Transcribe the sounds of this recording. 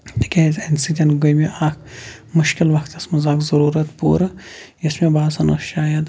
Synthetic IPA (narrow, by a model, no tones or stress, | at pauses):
kʲezensit̪ʲɐnɡojmeʔaːkʰmʊʃkɪlʋɐkʰt̪ɐsmɐzaːkzɐɾuːɾɐt̪pṵːɾ | ismẽbaːd̪sɐnɐʃt͡ʃaːjɐd̪